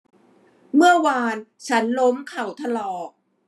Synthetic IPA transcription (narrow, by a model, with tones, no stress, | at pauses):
mɯ˥˩ɐwaː˧nt͡ɕʰa˦˥nlo˦˥mkʰa˨˩wt̪ʰa˧lɔː˨˩k̚